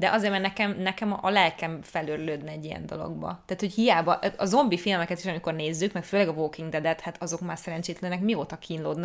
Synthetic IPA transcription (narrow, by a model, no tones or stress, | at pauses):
d̪ɛʔɒzeːrmaːrnɛkɛmnɛkɛmʔɒlɛlkɛɱfɛløɾløːd̪nɛɛɟːijɛ̰nd̪o̞̰lo̰ɡbɒ̰t̪ɛːt̪hochijaːbɒʔɒzo̞mbifilmɛkɛt̪iʃɒmiko̞rneːzːykmɛkføːlɛɡɒvoːkiŋɡd̪ɛd̪ɛt̪hat̪ɒzo̞kmaːrsɛɾɛnt͡ʃeːt̪lɛnːɛkmioːt̪ɒkʰiːnloːd̪n